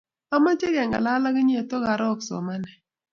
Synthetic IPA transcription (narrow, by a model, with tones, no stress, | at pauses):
a˦ma˦t͡ʃe˦ɡɛ˨ŋɡa̰˨la˦la˦ɡɪ˦ɲ˦e˨to˦ɡa˨ɾɔ˦˨ksɔ̰˨ma˦nɛ˨